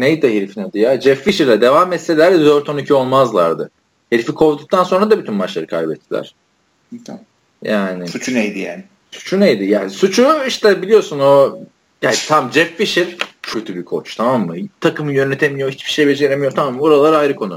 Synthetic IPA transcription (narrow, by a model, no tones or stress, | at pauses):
nejd̪ɛheɾfinɛd̪ijad͡ʒɛfːiʃiɾlʲɛd̪e̞vamːɛt̪sːelʲæɾd̪ɛd̪øɾt̪onicʰyo̞lˠmazlˠa̰ɾd̪ɯ̰ | heɾfikʰo̞ɾd̪uk̚t̪ʰanso̞nɾad̪abyt̪ʰynbaʃlˠaɾɯkʰa̰jbɛt̪ʰːilʲæ̰ɾ̥ | jaːnɪsut͡ʃʰunejd̪ija̰ːnɪ | su̥t͡ʃʰunejd̪ijaːnsut͡ʃʰuiʃt̪ʰɛbilʲijosuno | jaːnt̪ʰamd͡ʒɛfːiʃiɾ̥cʰøt̪ʰybikʰot͡ʃt̪ʰamamːɯt̪ʰakɯmɯjønet̪ʰemiijohit͡ʃbi̥ʃe̞jbed͡ʒeɾemijot̪ʰamamːboɾalˠaɾɯajɾɯkʰo̞nʊ